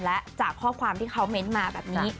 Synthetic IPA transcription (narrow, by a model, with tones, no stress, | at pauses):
lɛ˦˥ʔt͡ɕaː˨˩kʰːɔː˥˩kʰwaː˧mt̪ʰiː˥˩kʰa˦˥wme˦˥nmaː˧bɛː˨˩p̚ni˦˥